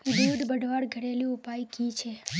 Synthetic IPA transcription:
buud̪bəɖʱʋaɽɡʱəɽelĩupajikit͡ʃʰe

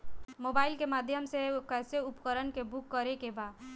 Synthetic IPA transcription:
moːbaːɪlkemaːd̪ʱjəmsekɛːseʊpkəɾənkebʊkːəɾekebaːd̪

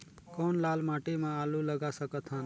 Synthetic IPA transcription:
kɔːnlaːlmãʈemãaluləɡasəkət̪ʰɦən

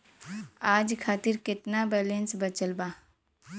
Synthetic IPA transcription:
aːd͡ʒkʰaːt̪ɪɾkɪt̪nabɛːlẽnsbət͡ʃəlbaː

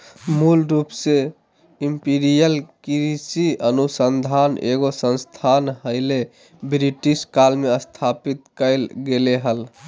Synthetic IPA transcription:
mulɾupse | impiɾijəlkɾisiənusənd̪ʱanḛɡosə̃nst̪ʰanɦəɪle | bɾiʈiskalmeəst̪ʰapit̪kəɪlɡeleɦəl

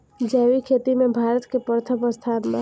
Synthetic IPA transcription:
d͡ʒɛːwikʰeːt̪imẽbʱaːɾət̪kepəɾt̪ʰəpəst̪ʰaːnma

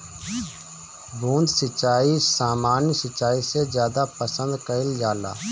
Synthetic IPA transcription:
bʱuːnd̪sɪt͡ʃːaːisaːmaːnjəsɪt͡ʃːaːisezjaːd̪apəsə̃nd̪kəɪld͡ʒaːla̰ː

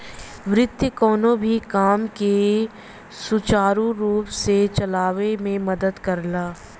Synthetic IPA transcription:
ʋɾɪd̪jəkɔːnõbʱikaːmke | sʊt͡ʃaːɾuɾuːpset͡ʃɐlaːʋemẽmɐd̪əd̪kɐɾlaː

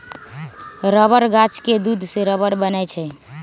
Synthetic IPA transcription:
ɾəbəɾɡat͡ʃked̪ud̪ʱseɾəbəɾbənɛt͡ʃʰɛ

